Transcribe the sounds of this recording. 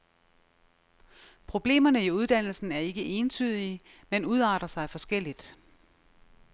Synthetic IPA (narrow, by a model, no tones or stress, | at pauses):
pʰʁo̝b̥le̝̰ːmɐnəiuð̞ˠd̥æn̰l̩sn̩æɐe̝ɡ̥əʔe̝ːnt͡sʰy̰ːð̞ˠi | menuðˠɑ̈ːd̥ʁɐsɑ̈ɪfɒ̽sɡ̥el̰id̥